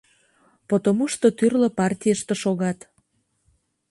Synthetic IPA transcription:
pot̪omuʃt̪ot̪yrlə̆pɑrtʲijəʃt̪ĕʃoɣɑt̪

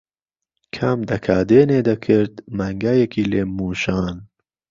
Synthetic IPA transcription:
kʰamd̪ɐkʰaːd̪eːneːd̪ɐkʰɨɾd̪mɐŋɡajekʰiːleːmuːʃɑːn

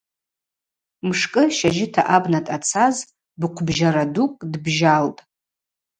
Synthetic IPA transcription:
mʂkʼɨʃaʒɪtʰa̰ʔabnatʼat͡sʰaz | bqʷʰbʒaɾadukʼdbʒaltʼ

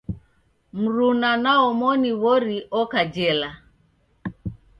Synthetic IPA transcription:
m̩ɾunanaɔmɔniβɔɾiʔɔkad͡ʒɛla

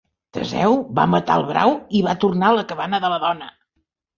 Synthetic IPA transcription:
t̪ə̰zɛ̰wβa̰mət̪a̰əlˠβɾa̰wiβat̪urnaləkəβanəðələðɔnə

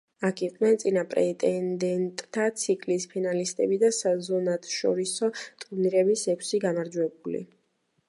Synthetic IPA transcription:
akʰiqʼnɛnt̪sʼinapʼɾɛt̪ʼɛnd̪ɛnt̪ʼt̪ʰat̪sʰikʼlispʰinalist̪ʼɛbid̪asazɔnat̪ʰʃɔ̰ɾisɔt̪ʼuniɾɛbisɛkʷʰsiɡamaɾd͡ʒwɛbulḭ

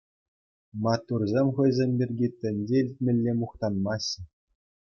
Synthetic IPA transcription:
mɑt̪ːurzʲemʲχɤ̆jzʲemʲbʲirʲɡʲit̪ʲɘ̆nʲd͡ʑʲeilʲtʲmʲɘ̆lʲːemuχt̪ɑnmɑɕɘ̆

